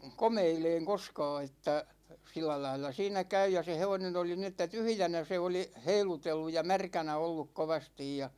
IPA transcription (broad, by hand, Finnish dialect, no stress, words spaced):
komeileːŋ koskɑː etːæ silːælɑilˑɑ siːnæ kæy jɑ se heʋonen oli ni etːæ tyhy̆jænæ se oli heilutelːu jɑ mærkænæ olːuk koʋɑstij jɑ